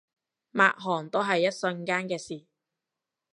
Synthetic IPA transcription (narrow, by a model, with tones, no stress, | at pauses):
ma̰ː˨k̚ɦɔː˨˩ŋt̪o˥wɦɐ˨jːɐ˥t̚sɵ˧nkaː˥nkɛː˧siː˨˩